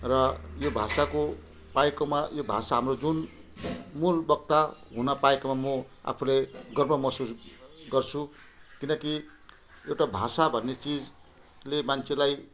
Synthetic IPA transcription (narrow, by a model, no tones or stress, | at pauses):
rʌjobʱasako | paekomajobʱa̰saɦamrod͡zun | mulbʌkt̪aɦunʌpaekomamʌ | a̰pʰulajɡʌrmʌmʌsusɡʌrt͡sʰu | kinʌki | ewʈabʱa̰sabʱʌnːet͡sid͡z | lemant͡sʰelaj